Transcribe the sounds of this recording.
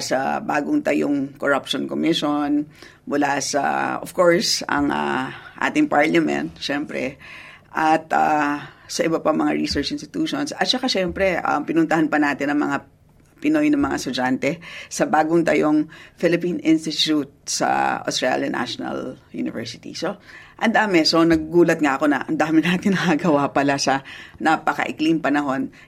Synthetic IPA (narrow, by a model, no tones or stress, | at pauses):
sɐ̰baːɡʊŋt̪ɐjoŋkoɾapʃonkomɪʃon | mʊlasɐ̰ʔofkoɹsɐ̰ŋʔaʔa̰ːt̪ɪŋpaɹlɐmɛ̰̃nt̪̚ʃɛmpɾɛ̰ | ʔɐt̪a̰sɐʔɪbɐpaŋmɐŋaɹisɛɹt͡ʃɪnst̪ɪt̪uːʃonsɐt̪̚t͡ʃɐkaʃɛmpɾɛʔɐ̰mpɪnʊnt̪ɐhanpɐnaːt̪ɪnɐŋmɐŋa | pɪno̞jnɐŋmɐŋa̰st̪ʊd͡ʒant̪ɛsɐbaːɡʊŋt̪ɐjoŋfɪlɪpinɪnst̪ɪt͡ʃut̪̚sɐ̰ʔost̪ɾɹa̰ljɐ̰nʔa̰ʃonɐ̰ljṵnɪ̰vɛ̰ɹsɪt̪ḭso̞ʔɐnd̪aːmɛso̞nɐɡ̚ːuːlɐt̪̚ŋaʔɐko̞nɐʔɐnd̪aːmɪnaːt̪ɪnnːɐhaɡɐwapɐlasɐnapɐkɐ̰ʔɪkliŋpɐnɐɦo̞n